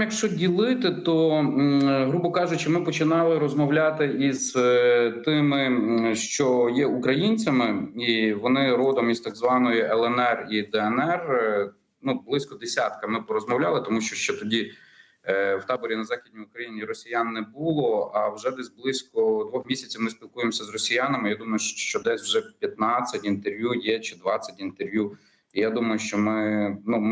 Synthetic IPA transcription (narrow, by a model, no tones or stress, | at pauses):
jɐkʃt͡ʃɔdʲilˠɪt̪ɪt̪ɔ | ɦɾubɔkɑʒʊt͡ʃɪmɪpɔt͡ʃɪnɑlˠɪɾɔzmɔwlʲat̪ɪʔiz̥t̪ɪmɪʃt͡ʃɔjɛukɾɐjinʲt͡sʲɐmɪiʋɔnɪɾɔd̪ɔmist̪aɡzʋɑnɔjiʔɛlˠɛnɛrid̪ɛɛnɛr | nublˠɪsʲkɔd̪esʲat̪kɐmɪpɔɾɔzmɔwlʲalˠɪt̪ɔmuʃt͡ʃɔʃt͡ʃɛt̪ɔdʲi | wt̪ɑbɔɾʲinɐzɑxʲid̪ʲnʲiʊkɾɐjinʲiɾɔsʲijanːɛbulˠɔɐwʒɛd̪ɛsʲblˠɪsʲkɔd̪ʋɔxmʲisʲɐt͡sʲɐwmɪsʲpʲilˠkujemsʲɐzrɔsʲijanɐmɪjad̪umɐjʊʃt͡ʃɔd̪ɛsʲwʒɛpʲjɐt̪nɑt͡sʲːɐtʲint̪erʋʲjujɛt͡ʃɪd̪ʋɑt͡sʲːɐtʲint̪erʋju | ijad̪umɐjʊʃt͡ʃɔmɪnu